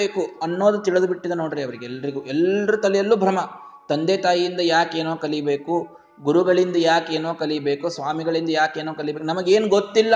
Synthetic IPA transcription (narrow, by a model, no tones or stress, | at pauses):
eːkuɐnːoːd̪ut̪iɭɐd̪ubiʈːid̪ɐnoːɽɾiɐʋɐɾiɡɛlːɐɾiɡuɛlːɐɾut̪ɐlɛjɐlːuːbʱɾɐmɐ | t̪ɐnd̪eːt̪aːjijind̪ɐjaːke̞ːnoːkɐlibe̞ːku | ɡuɾuɡɐɭind̪ɐjaːke̞ːnoːkɐlibe̞ːkusʋaːmiɡɐɭind̪ɐjaːkeːnoːkɐlibekunɐmɐɡe̞ːnuɡot̪ːilːɐ